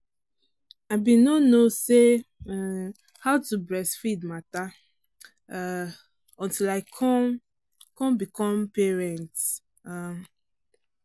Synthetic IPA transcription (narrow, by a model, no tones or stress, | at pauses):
aɪbĩnonose | haʊtubɹɛsfidmata | ɔ̃ntilaɪkʰɔm | kɔ̃mbikɔ̃mpɛɹɛ̃nt | am